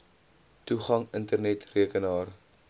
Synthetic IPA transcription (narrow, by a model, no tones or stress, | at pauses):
tuχɐŋəntərnɛtriəkənɑːr